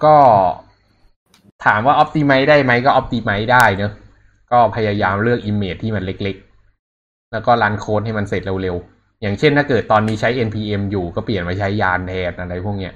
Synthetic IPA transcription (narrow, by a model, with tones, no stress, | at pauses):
kɔː˥˩ | t̪ʰaː˩˦mwaː˥˩ʔɔ˦˥p̚t̪iː˧ma˦˥jdaː˥˩jma˦˥jkɔː˥˩ʔɔ˦˥p̚t̪iː˧ma˦˥jdaː˥˩jnɤ˦˥ | kɔː˥˩pʰa˧jaː˧jaː˧mɾɯ˥˩ək̚ʔiː˧mːeː˨˩t̪ʰːiː˥˩ma˧nle˦˥k̚le˦˥k̚ | lɛː˦˥wkɔː˥˩laː˦˧˥nkʰoː˦˥t̪̚ha˥˩jma˧nse˨˩t̪̚le˧wle˧w | jaː˨˩ŋt͡ɕʰe˥˩nt̪ʰaː˥˩kɤː˨˩t̪ːɔː˧nːiː˦˥t͡ɕʰa˦˥jʔe˧npʰiː˧ʔe˧mjuː˨˩kɔː˥˩pli˨˩ənmaː˧˩t͡ɕʰa˦˥jːaː˧ndɛː˧n̚ʔa˧ɾa˧jpʰu˥˩ək̚ni˦˥ɐʔ